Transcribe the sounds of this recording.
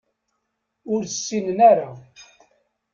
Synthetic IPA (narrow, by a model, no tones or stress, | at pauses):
ʊɾəsːinnæɾa